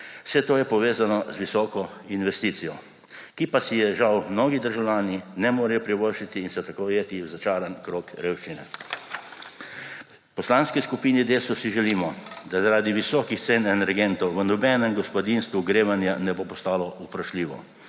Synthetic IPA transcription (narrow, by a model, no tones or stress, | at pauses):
w̥sɛt̪oːjɛpɔʋeːzanɔzʋisɔːkɔinʋɛst̪iːt̪sijɔ | kipasijɛʒawmnoːɡid̪əɾʒawlʲjaːninɛmoːɾɛjɔpɾiʋoɾʃit̪iːnsɛt̪akojeːt̪iwzat͡ʃaːɾankɾoːkɾeːwʃt͡ʃinɛ | pɔslaːnskiskupiːnid̪eːsɔsiʒɛliːmɔd̪azaɾaːd̪iʋisɔːkixt̪senɛnɛɾɡent̪ɔwʋənɔbɛnɛmɡɔspɔd̪inst̪ʋuɡɾeːʋanjanɛbopɔst̪aːlɔupɾaʃliːʋɔ̰